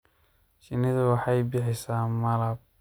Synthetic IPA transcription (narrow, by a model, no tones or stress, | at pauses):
ʃɪnɪðɐwɑħɑjbɪħɪsaːmɐlɐb̚